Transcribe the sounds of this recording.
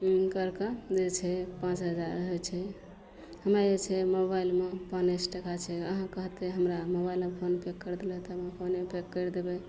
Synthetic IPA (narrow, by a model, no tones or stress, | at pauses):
kəɾkəd͡ʒet͡ʃʰɛpãt͡ʃɦəd͡ʒaɾəɦət͡ʃʰɛ | ɦəmad͡ʒet͡ʃʰɛmobailmepanesʈekat͡ʃʰɛəɦãkəɦt̪eɦəmɾamobailmepʰonpekːəɾd̪elɛt̪ɦəmãpʰonmepekːəɾd̪ebɛ